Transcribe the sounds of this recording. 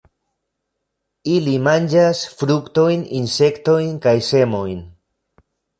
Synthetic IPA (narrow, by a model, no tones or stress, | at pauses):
ilimand͡ʒasfɾukto̞jninse̞kto̞jnkajse̞mo̞jn